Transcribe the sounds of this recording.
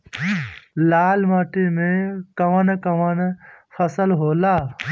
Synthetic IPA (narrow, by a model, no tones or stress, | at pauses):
laːlmaːʈimẽkɐʋənkɐʋənfʰɐsəlɦoːlaː